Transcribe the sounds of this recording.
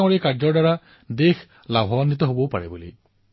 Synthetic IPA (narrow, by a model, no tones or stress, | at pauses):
ŋɔɹekaɹd͡ʒɔɹdaɹa | dex | labʱɔnːit̪̬ɔɦobɔpaɹibulḛj